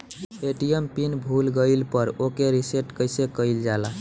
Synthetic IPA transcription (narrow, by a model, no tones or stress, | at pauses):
eʈijempinbʱulɡəɪlpəɾokeɾiseʈkəjsekəɪld͡ʒala